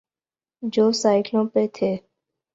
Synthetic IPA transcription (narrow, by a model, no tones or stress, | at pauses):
d͡ʒoːsaːɪklõːpeːt̪ʰeː